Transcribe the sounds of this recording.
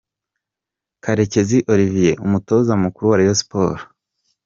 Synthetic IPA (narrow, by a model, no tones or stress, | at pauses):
kaɾe̞ce̞ziʔo̞ɾivijeʔumuto̞zamukuɾuwaɾijospoːɾo